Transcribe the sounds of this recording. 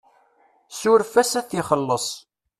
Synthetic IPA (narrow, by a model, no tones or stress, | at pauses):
sʊɾfæsæθiχəlːəsˤ